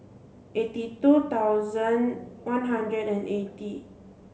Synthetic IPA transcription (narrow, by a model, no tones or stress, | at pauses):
ʔetitut̪awzə̃nwãnɦãndɹədɛ̃neti